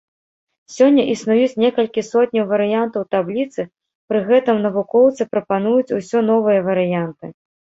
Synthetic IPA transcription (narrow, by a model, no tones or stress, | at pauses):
sʲɔnʲːɐʔisnujut͡sʲnʲɛkɐlʲkʲisɔtʲnʲɐwvɐɾɨjant̪ɐwt̪ablʲit̪sɨ | pɾɨɣɛt̪ɨmnɐvukɔwt̪sɨpɾɐpanujut͡sʲusʲɔn̪ɔvɨjɐvɐɾɨjant̪ɨ